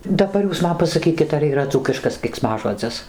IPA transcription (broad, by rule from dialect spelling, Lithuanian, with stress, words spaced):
dɐˈbɐr ˈjuːs ˈmɐn pɐsɐˈkʲiːkʲɪt ɐr iːˈrɐ ˈd͡zuːkʲɪʃkɐs kʲɛɪksˈmɑːʒoːd͡zʲɪs